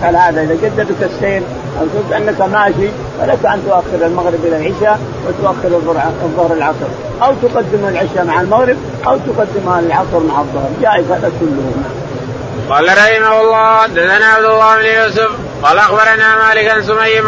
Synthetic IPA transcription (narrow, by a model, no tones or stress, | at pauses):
kalhaːd̪aʔɪðad͡ʒad̪ːadakasːeːɾ | ʔawt̪ʊft̪ʔanːakamaːʃi | fa̰lakaʔant̪ʊʔaxːɪɾalmaɣɾɪbʔɪlalʕɪʃa | wɪt̪ʊʔaxːɪɾɑðˤːʊɾɑðˤːʊhɾalʕɑsˤɨɾ | ʔawt̪ʊqɑd̪ːɪmalʕɪʃamaʕalmaɣɾɪb̚ | ʔawt̪ʊqɑd̪ːɪmalʕɑsˤɨɾˤmaʕɑðˤːʊhɾˤd͡ʒaːʔɪzhaːd̪akʊlːʊhunaʕam | qɑːlaɾˤɑhɪmawɑlˤːɑːd̪azanaʕabd̪ɑlˤːɑːbɪnjuːsʊf | qɑːlʔɑxbɑɾˤanamaːlɪkans̬ʊmajːa